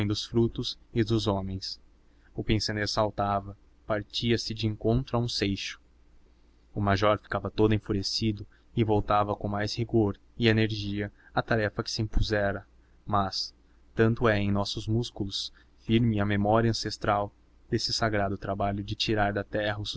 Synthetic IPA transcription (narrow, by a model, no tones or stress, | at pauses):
j̃d̪ʊsfɾut̪ʊzɪd̪ʊzɔ̃mẽj̃s | ʊpẽsoneɾsawt̪avɐ | paɾt͡ʃiɐsɪd͡ʒɪẽŋkõnt̪ɾʊaũsejʃʊ̥ | ʊmaʒɔɾfi̥kavɐt̪od̪ʊẽfuɾesid̪ʊ | ɪvowt̪avɐkõmajshiɡoɾ | ɪeneɾʒiɐ | ɐt̪aɾɛfɐkɪ̥sɪĩpuzɛɾɐ | mɐs | t̪ɐ̃nt̪ʊɛẽj̃nɔsʊzmuskulˠʊs | fiɾmɪɐmemɔɾiɐɐ̃sest̪ɾaw | d̪esɪsaɡɾad̪ʊt̪ɾabaʎʊd͡ʒɪt͡ʃiɾaɾd̪ɐt̪ɛɦɐʊs